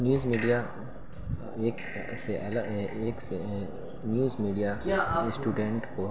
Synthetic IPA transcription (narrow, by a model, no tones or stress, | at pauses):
njuːzmiːɖija | eːk | seʔɛlaeːkse | njuːzmiːɖijasʈuːɖẽɳʈko